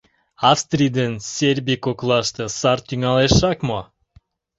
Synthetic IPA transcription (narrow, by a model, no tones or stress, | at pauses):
ɑfst̪rʲijd̪ensʲerbʲikoklˠɑʃt̪ɤsɑrt̪yŋɑleʃɑkmo